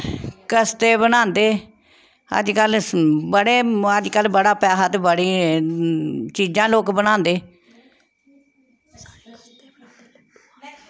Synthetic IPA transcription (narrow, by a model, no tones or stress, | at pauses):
kəst̪eːbənãːnd̪eː | ə̰d͡ʒkəlbəɽeːəd͡ʒkəlbəɽaːpaːɦat̪bəɽiː | t͡ʃiːd͡ʒãːloːkbəñãːnd̪eː